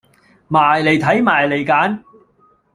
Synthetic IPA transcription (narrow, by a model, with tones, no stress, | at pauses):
maː˨˩jle˨jt̪ʰɐ˨˥jmaː˨˩jle˨˩jkaː˨˥n